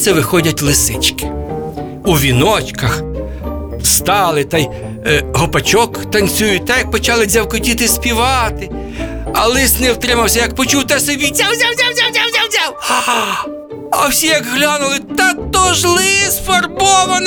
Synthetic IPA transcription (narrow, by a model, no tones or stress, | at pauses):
sɛʋɪxɔdʲɐtʲlˠɪsɪt͡ʃkɪ̥ | uʋʲinɔt͡ʃkɐx | st̪ɑlˠɪt̪ɑj | ɦɔpɐt͡ʃɔkt̪ɐnʲt͡sʲujʊt̚ʲt̪ɑjɐk̚pɔt͡ʃɑlˠɪzʲɐwkɔtʲit̪ɪspʲiʋɑt̪ɪ | ɐlˠɪstnɛwt̪ɾɪmɐwsʲɐjɐk̚pɔt͡ʃuwt̪ɛsɛʋʲit͡sʲawzʲawzʲawzʲawzʲawzʲawzʲaw | ɐ̰wsʲijɐkɦlʲɑnʊlˠɪt̪ɑt̪ɔʒlˠɪsfɐrbɔʋɐn